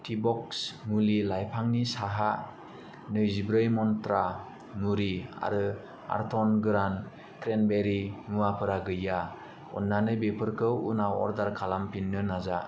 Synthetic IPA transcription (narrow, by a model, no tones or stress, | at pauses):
tʰibɔk̚smulilajpʰaŋnisaɦa | nɯjzibɾɯjmɔntɾa | nuɾia̰ɾɯ | a̰ɾtʰɔnɡɯɾan | tɾenbeɾimuwapʰɯɾaɡɯjːa | ɔ̰nːanɯbepʰɯɾkʰɯwunawɔ̰ɾdaɾkʰalampinːɯnaza